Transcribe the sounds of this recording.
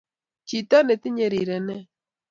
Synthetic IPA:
t͡ʃi˨ta˦ne˨ti˦ɲe˨ɾi˨ɾɛ˨nɛ˦

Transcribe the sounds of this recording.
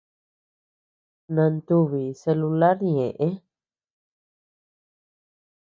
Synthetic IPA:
nã˧nt̪u˦βi˨se˧lu˧la˦ɾɲẽ˨ʔẽ˦

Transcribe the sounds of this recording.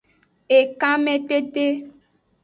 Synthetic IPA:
e˨kã˦mẽ˦t̪e˦t̪e˦

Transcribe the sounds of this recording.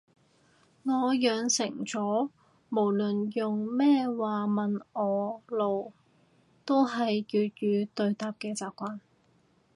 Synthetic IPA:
ŋɔː˨˧jœː˨˧ŋsɪ˨˩ŋt͡sɔː˨˥ | mo˨˩wlɵ˨njʊ˨ŋmɛː˥waː˨˩mɐ˨nɔː˨˧lo˨w | t̪o˥wɦɐ˨jjyː˨˧t̪̚ɥyː˨˧t̪ɵ˧ɥt̪aː˨˧p̚kɛː˧t͡saː˨p̚kʷaː˧n

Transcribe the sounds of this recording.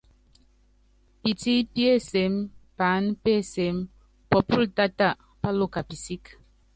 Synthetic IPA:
pi˨ti˦pi˦e˦˨se˨˦mpa˨˦npe˦˨se˨˦m | pɔ˨pu˦lta˦ta˦˨ʔ | pa˦lo˦˨ka˨pi˨si˦k

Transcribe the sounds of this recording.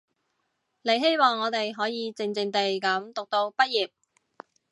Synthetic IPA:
le˨˧jɦe˥jmɔː˨˩ŋːɔː˨˧t̪e˨jɦɔː˨˥jiː˨˧t͡sɪ˨˧ŋt͡sɪ˨˧ŋt̪e˨jkɐ˨˥mt̪ʊ˨k̚t̪o˧wpɐ˥t̚jiː˨˩p̚

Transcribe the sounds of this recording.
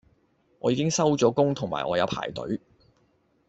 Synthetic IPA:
ʔɔ̰ː˨˧jiː˧kɪ˥ŋsɐ˥wt͡sɔː˨˥kʊ˥ŋt̪ʰʊ˨˩ŋma̰ː˨jʔɔː˨˧jɐ˨˧wpʰa̰ː˨˩jt̪ɵ̰˨˥ɥ

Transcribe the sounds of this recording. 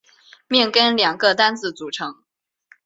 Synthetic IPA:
mjɛ˥˩nkə˥nljɑ˨˩ŋɡə˧t̪a˥nt͡sɹ̩˥˩t͡su˨˩ʈ͡ʂʰɤ˧˥ŋ

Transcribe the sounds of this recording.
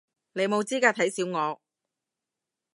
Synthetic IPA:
le˨˧jmo˨˧wt͡siː˥kaː˧t̪ʰɐ˨˥jsiː˨˥wŋɔː˨˧

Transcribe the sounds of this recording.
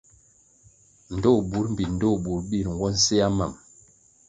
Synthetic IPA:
n̩˨do˦˨bu˨˦ɾm̩˦bi˨n̩˨do˦˨bu˨ɾbi˦˨ɾŋ̩˨ɡwɔ˦n̩˦se˦a˦ma˨m

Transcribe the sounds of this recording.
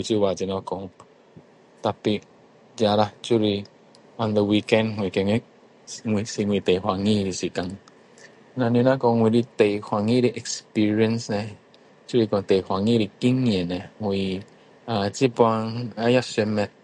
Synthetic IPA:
u˨˧t͡ʃi˦wa˨d͡ʒi˨nɔ̃˧kɔ˨ŋ | t̪a˧pi˧ | d͡ʒa˧ɾa˧t͡ʃu˦ɾi˧ | ɔ̃˨ndə˨wi˧kɛ̃˦nŋwi˨kɛ̃˧ŋ˦ | ŋi˨si˧ŋʷwi˨˧t̪e˨jhwa˨ŋĩ˦ɾi˧si˨kã˨ŋ | na˧nĩ˧˦nã˦kɔ˧ŋwi˧ɾi˧t̪e˨jhwa˨ŋĩ˦ɾi˧ʔɛ˨kspi˦ɾi˧ə̃˦nsnɛ˧ | t͡ʃu˦ɾi˧kɔ̃˨˧t̪e˨jhʷa˨ŋĩ˦ɾi˧ki˦ŋi˧ɛ˨nɛ˨ŋwi˨ | a˨t͡ʃi˦pɔ˧a˧ŋa˦ja˦sɛ˧mɛ˧t̚

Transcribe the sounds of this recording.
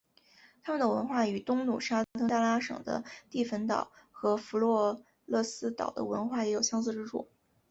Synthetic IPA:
t̪ʰa˥mə˨nd̪ə˩wə̰˧˥nxwa˥˩y˨˩t̪ʊ˥ŋnu˨˩ʂa˥t̪ʰɤ˥ŋt̪a˥˩la˥ʂɤ̰˨˩ŋd̪ə̰˦t̪i˥˩fə˧˥nt̪ɑ̰˨˩˦ʊxɤ˧˥fu˧˥lwɔ˥˧ | lɤ˥˩sɹ̩˥t̪ɑ̰˨˩ʊd̪ə̰˦wə̰˧˥nxwa˥˩jɛ˧˥jo˨˩ʊɕjɑ˥ŋs̬ɹ̩˥˧ʈ͡ʂɻ̩˥ʈ͡ʂʰṵ˥˩

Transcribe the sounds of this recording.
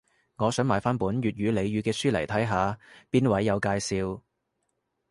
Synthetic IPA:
ŋɔː˨˧sœː˨˥ŋmaː˨˩jfaː˥npuː˨˥nɥyː˨t̚jyː˨˧le˨˧jɥyː˨˧kɛː˧syː˥lɐ˨˩jt̪ʰɐ˨˥jɦaː˨˧piː˥nwɐ˨˥jːɐ˨˧wkaː˧jsiː˧w

